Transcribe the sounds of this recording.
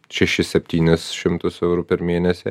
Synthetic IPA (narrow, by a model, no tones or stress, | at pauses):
t͡ʃɛʃɪsɛp̚t̪ʲiːnɛsʃɛmt̪osɛvɾupɛɾmiɛnɛsɛ